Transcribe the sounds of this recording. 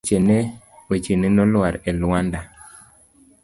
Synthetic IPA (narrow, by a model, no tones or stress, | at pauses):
t͡ʃene | wet͡ʃenenɔlwaɾɛlwanda